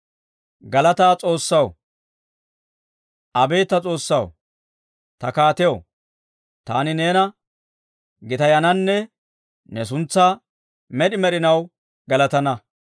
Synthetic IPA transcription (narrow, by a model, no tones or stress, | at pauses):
ɡɐlɐt̪aːt͡sʼo̞ːsːɐw | ʔɐbe̞ːt̪ːɐt͡sʼo̞ːsːɐw | t̪ɐkaːt̪ɛjo | t̪aːnɪne̞ːnɐ | ɡɪt̪ɐjɐnɐnːɛ | nɛs̬ʊnt͡sːa | mɛɗɪmɛɗɪnɐw | ɡɐlɐt̪ɐnɐ